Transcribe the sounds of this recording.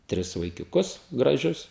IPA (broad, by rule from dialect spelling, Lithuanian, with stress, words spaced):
ˈtʲrʲɪs ʋɐɪkʲʊˈkʊs ɡrɐˈʒʲʊs